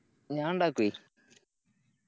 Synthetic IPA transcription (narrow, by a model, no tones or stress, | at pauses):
ɲaːɳɖakui